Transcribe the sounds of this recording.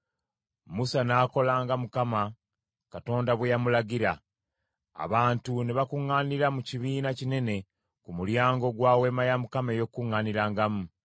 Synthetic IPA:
musanaːko̞laːŋɡamukama | kato̞ːndaβwejamulaɡiɾa | a̰βaːntuniβakuŋːaːniɾamuciβiːnacine̞ne̞ | kumuljaːŋɡo̞ɡwaːwe̞ːmajamukame̞jo̞kːuŋːaniɾaːŋɡamu

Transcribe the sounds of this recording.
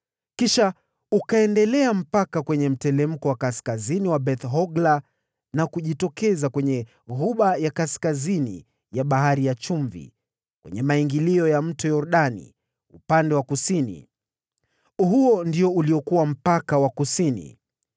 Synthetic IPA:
kiʃa | ukaɛndɛlɛam̩pakakwɛɲɛm̩tɛlɛm̩kɔwakaskaziniwabɛθɦɔɡla | nakuʄitɔkɛzakwɛɲɛ | ɣuɓajakaskazinḭ | jaɓaɦaɾijat͡ʃuɱvḭ | kwɛ̰ɲɛmaiŋɡiliɔjam̩tɔjɔɾuɗanḭ | upandɛwakusinḭ | ɦuɔndiɔuliɔkuwam̩pakawakusinḭ

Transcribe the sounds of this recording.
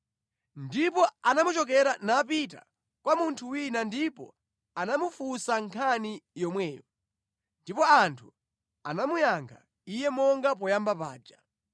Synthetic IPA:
ndipɔanamut͡ʃɔk̬ɛɾanapita̰ | kwamuntʰuwinandipɔ̰ | anamufusaŋkʰanijɔmwɛːjɔ | ndipɔantʰu | anamujaŋkʰa̰ | ijɛmɔŋɡap̬ɔjambapa̰ːd͡ʒa

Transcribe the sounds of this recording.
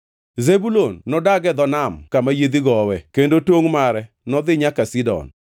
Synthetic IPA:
zebulonːɔdaɡɛd̪ɔnamkamajed̪iɡɔwɛkendotwoŋmaɾɛ | nɔd̪ɪɲakasidɔ̰n

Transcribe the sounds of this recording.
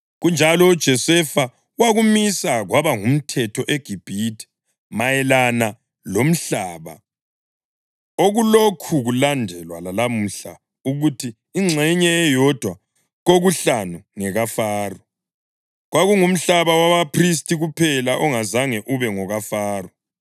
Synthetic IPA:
ɣund͡ʒʱalɔud̥ʒ̥ʱɔsɛfa | waɣumisaɣwaβaŋum̩tʰɛtʰɔʔeɡ̥ʱib̥ʱitʰi̥ | majɛlana | lom̩ɬaːβa̰ | oɣulokʰuɣulandʱɛlwalalam̩ɬa | uɣutʰiːŋ͡ǀʱɛɲɛːjɔd̥ʱwa | ɣoɣuɬanuŋɛɣafaːrɔ | ɣwaɣuŋum̩ɬaβawaβapʰris̬tʰʼiɣupʰɛlaʔɔŋazaŋɛʔuβɛŋɔɣafaːrɔ

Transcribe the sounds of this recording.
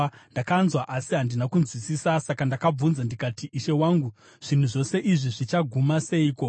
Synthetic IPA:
ndakanzwaʔasiɦandinakunzwisisasakandakab͡vunzandikatiʔiʃe̞waːŋɡu | ʐ̥in̤uʐo̞se̞ʔiʐiʐit͡ʃaɡʱumase̞iːko

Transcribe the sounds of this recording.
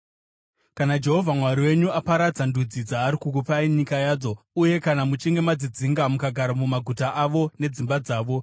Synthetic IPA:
kanad͡ʒe̞ɦo̞vʱamwaɾiwe̞ɲuapaɾad͡zandud͡zid͡zaːɾikuk̬upaiɲikajaːd͡zo̞ | uje̞kanamut͡ʃiŋɡe̞mad͡zid͡ziŋɡamukaɡʱaɾamumaɡʱutaʔaʋo̞ne̞d͡zimbad͡zaːʋo̞

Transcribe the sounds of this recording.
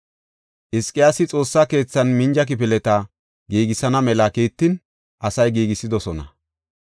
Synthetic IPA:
ʔɪskʼɪjaːsɪt͡sʼo̞ːsːake̞ːt͡sːɐnmɪnd͡ʒɐk̬ɪpɪlɛt̪ɐ | ɡiːɡɪsɐnɐmɛlɐkiːt̪ːɪn | ʔɐsɐjɡiːɡɪsːɪd̪ɔsɔnɐ̰

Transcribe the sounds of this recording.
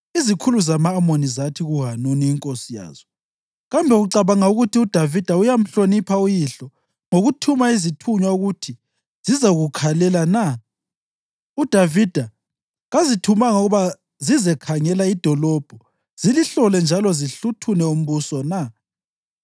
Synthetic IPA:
izikʰuluzamaːmonizatʰiɣuɦanuniːŋkʼosija̰ːz̥ɔ | ɣambʱɛɣuǀaβaŋauɣutʰiud̥ʱavid̥ʱaujam̩ɬonipʰaujiɬɔ | ŋoɣutʰumaizitʰuɲwauɣutʰi | z̥izaɣukʰalɛlana | ud̥ʱavid̥ʱa | ɣazitʰumaŋɣuβa | zizɛkʰaŋɛlaid̥ʱɔlɔb̥ʱɔ | z̥iliɬɔlɛnd͡ʒʱalɔziɬutʰunɛum̩βusɔna

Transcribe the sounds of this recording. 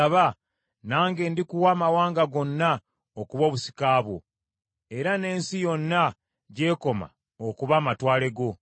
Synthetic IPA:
aβa | naːŋɡe̞ːndikuwaːmawaːŋɡaɡo̞nːa | okuβo̞ːβusi̥kaːβwo̞̰ | e̞ɾane̞ːnsijo̞nːa | ɟe̞ːko̞ma̰ | okuβaːmatwaːle̞ɡo̞

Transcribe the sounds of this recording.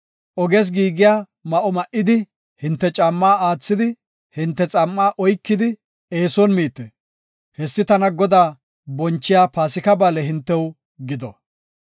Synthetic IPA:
ʔɔɡes̬ɡiːɡɪjaː | mɐʔɔmɐʔɪd̪ɪ | hɪnt̪ːɛt͡ʃʼɐmːaːaːt͡sːɪd̪ɪ | hɪnt̪ːɛt͡sʼɐmːaːʔɔjkːɪd̪ɪ | eːsɔnmiːt̪ːɛ | hɛsːɪt̪ɐnɐɡɔd̪aː | bɔnt͡ʃːɪjaːpaːsɪkɐbaːlɛɦɪnt̪ːɛw | ɡɪd̪ɔ

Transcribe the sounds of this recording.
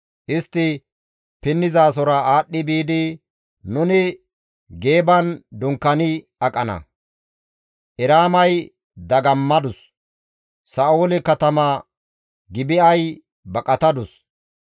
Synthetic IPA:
ʔɪst̪ːɪ | pɪnːɪzaːs̬ɔɾɐaːɗːɪbiːd̪ɪ | nʊnɪ | ɡe̞ːbɐnd̪ʊŋkːɐnɪ | ɐkʼɐnɐ̰ | ʔɛɾaːmɐj | d̪ɐɡɐmːɐd̪ʊs | saːʔoːlɛkɐt̪ɐmaː | ɡɪbɪɐj | bɐkʼɐt̪ɐd̪ʊs

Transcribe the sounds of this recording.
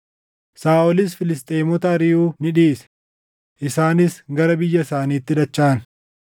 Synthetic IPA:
saːʔɔlɪs̬fɪlɪst̪ʼeːmɔt̪ɐɾɪuːnɪᶑiːsɛ̥ | ʔɪsaːnɪsɡɐɾɐbɪjːɐsaːniːt̪ːɪd̪ɐt͡ʃːaːn

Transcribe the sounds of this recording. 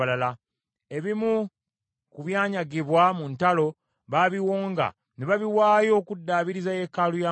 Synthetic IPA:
alala | e̞βimu | kuβjaːɲaɡiβwamuntalo̞ | βaβiwo̞ːŋɡa̰ | neβaβiwaːjo̞ːkudːaːβiɾizajekaluja

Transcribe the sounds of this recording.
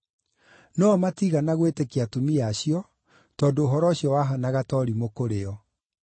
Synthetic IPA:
nɔmatiɣanaɣwetekeatomiaɕiɔ | tɔndoːɦɔɾɔɕjɔwaɦɔnaɣatɔɾimokoɾeɔ

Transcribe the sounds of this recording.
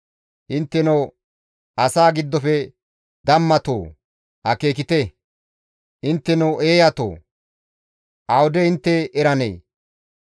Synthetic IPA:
ʔɪnt̪ːɛno | ʔɐsaːɡɪd̪ːɔfɛ | d̪ɐmːɐt̪oː | hɐkeːk̬ɪt̪ɛ | ʔɪnt̪ːɛnʊwʔeːjɐt̪o̰ː | ʔɐwd̪ɛɪnt̪ːɛːɾɐnḛː

